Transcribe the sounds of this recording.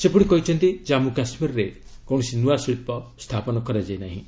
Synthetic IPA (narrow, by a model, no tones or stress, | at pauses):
sepɔɽ̃ikɔɦit͡ʃʰɔnt̪id͡ʒamũkasmiɾɾekɔw̃ɔsinuasiɭipɔst̪ʰapɔnɔkɔɾad͡ʒajnaɦḭ̃